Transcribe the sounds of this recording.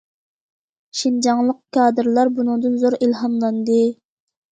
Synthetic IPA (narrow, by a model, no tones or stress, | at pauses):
ʃind͡ʒɑŋlˠəq̚kʰɑːd̪ɨɾlˠɑɾbunɨŋd̪ɨnzoɾilɦɑmlˠɑnd̪ɨ